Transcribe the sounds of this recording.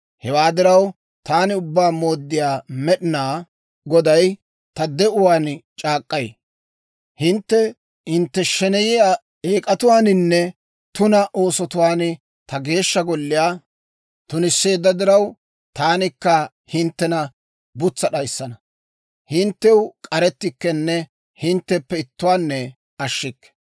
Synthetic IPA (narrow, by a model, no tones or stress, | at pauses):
hɛwaːd̪ɪɾɐw | t̪aːnɪʊbːaːmo̞ːd̪ːɪjaːmɛɗɪnaː | ɡɔd̪ɐj | t̪ɐd̪ɛʔʊwaːnt͡ʃʼaːkʼːɐj | hɪnt̪ːɛ | hɪnt̪ːɛʃɛnɛjɪjaː | eːkʼɐt̪ʊwaːnɪnːɛ | t̪ʊnɐʔo̞ːsɔt̪ʊwaːn | t̪ɐɡe̞ːʃːɐɡɔlːɪjaː | t̪ʊnɪsːe̞ːd̪ːɐd̪ɪɾɐw | t̪aːnɪkːɐ | hɪnt̪ːɛnɐ | bʊt͡sːɐɗɐjsːɐnɐ | hɪnt̪ːɛwkʼɐɾɛt̪ːɪkːɛnːɛ | hɪnt̪ːɛpːɛɪt̪ːʊwaːnːɛ | ɐʃːɪkːɛ̥